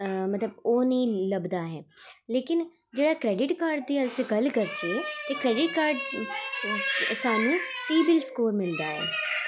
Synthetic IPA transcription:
mət̪ləboːnĩːləbd̪aːɦɛːleːkɪn | d͡ʒeːɽaːkɾɛːɖɪʈkaːɾɖ̚d̪iːaɪseɡəlkəɾd͡ʒiet̪eːkɾɛːɖɪʈ̚kaːɾɖ | saːnũːsiːbɪlskoːɾmɪld̪aːɦɛ̰ː

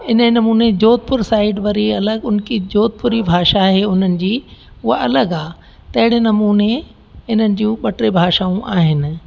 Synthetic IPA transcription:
ɪnənɐmuːned͡ʑoːt̪̚pʊɾsaːɪɖʋɐɾiɐləɡʊnkid͡ʑoːt̪̚pʊɾibʱaːʃaɦeʊn̤ənɪ̆d͡ʑiːʊɦaɐləɡaː | t̪ɐɦɪɽ̃enɐmuːne | ɪnənɪ̆d͡ʑũːɓɐʈɾebʱaːʃaːũʔaːɦɪnɪ̆

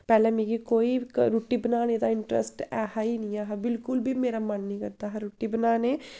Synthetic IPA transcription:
pɐlɐmiɡikojikɾuʈːibnaːned̪aːiɳʈɾɐ̰sʈahɐjnijaɦɐbilkulbimeɾɐmːɐnːiɡɐt̪ːaɦɐɾuʈːibnaːne

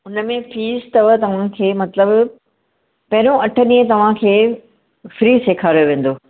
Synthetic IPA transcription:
ʊnəmẽfiːzt̪ɐʋət̪ɐʋ̤ãkʰeːmɐt̪ləb | pɐɦɪɾõɐʈʰəɗĩːə̃t̪ɐʋ̤ãkʰeː | fɾiːseːkʰaːɾjoʋẽːn̆d̪oː

